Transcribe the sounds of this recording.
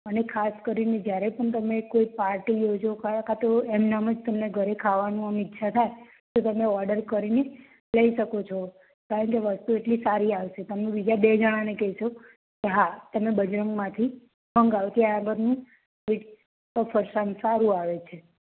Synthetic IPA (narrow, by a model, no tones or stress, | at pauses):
ənekʰaskəɾined͡ʒjaɾepəɳt̪̬əmekoipaɾʈijod͡ʒokakat̪oemnaməd͡ʒt̪əmneɡʱəɾekʰaʋanũəmitːʃʰat̪ʰae | t̪ot̪əmeɔɾɖəɾkəɾine | ləiʃəkot͡ʃʰo | kaɾəɳkeʋəst̪ueʈlisaɾiaʋʃet̪əmebid͡ʒabed͡ʒəɽ̃ãnekɛʃo | keɦat̪əmebəd͡ʒɾəŋɡmãt̪ʰi | ɦəŋɡaʋt̪ʰiaaɡəɾnũ | ʋiʈ | əfʰəɾʃansaɾũaʋet͡ʃʰe